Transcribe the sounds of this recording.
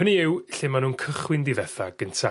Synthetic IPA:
əniɪwɬɪmanuːnkʰəχwɪndivɛθaɡ̥əntʰa

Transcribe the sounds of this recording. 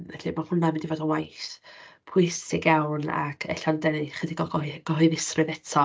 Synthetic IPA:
ɛɬimahʊnamɪndivɔːdəwajθpʰʊjsɪɡjawna̰kʰɛ̰ɬandɛniχədɪɡɔɡɔɡ̥ɔɦʊjðɪsrɨðɛtʰɔ

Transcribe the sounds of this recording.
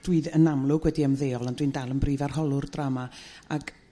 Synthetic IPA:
d̥wiːðənamlˠʊɡwɛdiəmðeːɔlˠandwindalˠənbriːvarɦɔlˠʊrdramaaɡ

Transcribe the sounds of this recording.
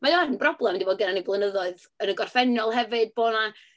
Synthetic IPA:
majɔənbrɔblˠɛmndiboːd̚ɡənaniblˠənəðɔɨð | ənəɡɔrfɛnjɔlˠhɛvɨd̚boːna

